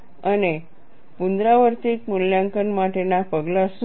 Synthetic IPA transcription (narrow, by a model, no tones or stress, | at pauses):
ane | pund̪ɾaʋəɾt̪iːkmuljãŋkənmaʈʰenapəɡlas